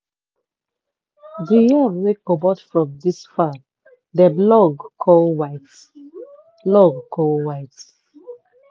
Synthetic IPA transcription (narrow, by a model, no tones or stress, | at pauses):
dijawekobɔtfɹɔ̃mdisfa | dəblɔɡkʰɔlwaɪt | blɔɡkʰɔlwaɪt